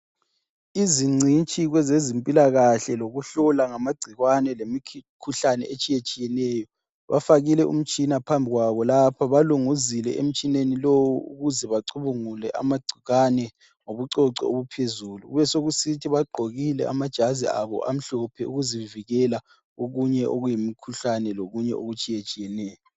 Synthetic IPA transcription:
iziŋ͡ǀʱint͡ʃʼiɣwɛzezimpʼilaɣaɬɛloɣuɬɔlaŋamaɡ͡ǀʱiɣwanɛlemikʰuɬanɛ̰et͡ʃʼijet͡ʃʼijɛnɛːjɔ | βafaɣilɛʔṵm̩t͡ʃʼinapʰambʱiɣwaβɔlapʰaβaluŋuzilɛ̰ʔḛm̩t͡ʃʼinenilowuṵɣuzɛβaǀʰuβuŋulɛʔa̰maɡ͡ǀʱiɣanɛ | ŋoβuǀɔǀɔoβupʰezuːluɣṵβɛsoɣusitʰiβaɡ͡ǃʱoɣilɛ̰ʔamad̥ʒ̥ʱazḭa̰βɔ̰ʔam̩ɬɔpʰɛṵɣuziviɣɛla | ɣoɣuɲɛʔo̰ɣujimikʰuɬanɛloɣuɲɛ̰ʔoɣut͡ʃʼijet͡ʃʼijɛnɛːjɔ

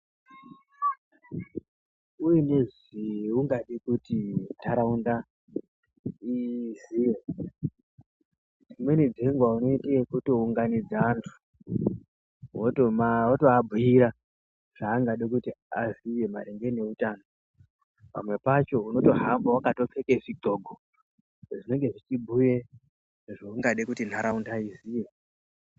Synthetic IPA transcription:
ujene̞ʐ | iuŋɡaɗikutitaɾaunda | iziːje | d͡zimwe̞nid͡zeŋɡwauno̞iteekuto̞uŋɡanid͡zaːntʰu̥ | wotomaoto̞abʱujiɾa | ʐ̥aːŋɡaɗekutiazije̞maɾeŋɡe̞ne̞utaːno | pa̰mwe̞pat͡ʃo̞uno̞to̞ɦambawakato̞t͡se̞keʐiɡʱo̞ɡʱo | ʐine̞ŋɡe̞ʐit͡ʃibʱuje | ʐouŋɡaɗekutin̤aɾaundaizije̞

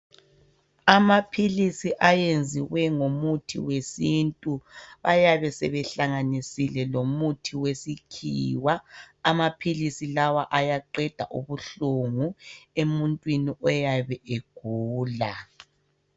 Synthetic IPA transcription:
amapʰilisiʔajend͡zʱiwɛŋomutʰḭwesintʼuβajaβɛsɛβɛɬaŋanisilɛlomutʰiwesikʰiːwaːmapʰilisilawaʔajaǃɛd̥ʱa̰ʔṵβuɬuŋuemuntʼwiniʔɔjaβɛʔeɡ̥ʱuːla

